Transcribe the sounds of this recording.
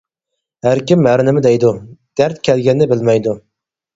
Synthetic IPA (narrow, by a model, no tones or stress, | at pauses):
hæɾkʲimːæɾnɪmɪd̪ɛjd̪ud̪̥æɾt̪̚kʲʰɛlɡʲɛnd̪ɛbɪlmɛjd̪u